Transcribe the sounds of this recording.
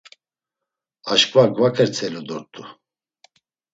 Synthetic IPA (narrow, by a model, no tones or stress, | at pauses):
aʃkʼvaɡvakʰəɾt͡sʰɛlud̪ɔɾt̪ʼu